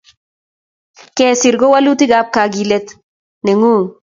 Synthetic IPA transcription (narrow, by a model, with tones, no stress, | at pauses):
kɛ˨sɪ˨ɾɡo˦wa˦lu˦t̪i˦ɡa˦p̚ka˨ɡi˨lɛ˦t̪ | ne˨ŋu˦˨ŋ